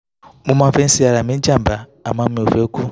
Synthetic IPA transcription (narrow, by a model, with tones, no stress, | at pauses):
mu˦ma˦fe˦n˦si˦a˨ɾa˨mi˦n˦d͡ʒa˦˨mbaː˨ma˦m˦˨o˨ve˦ku˦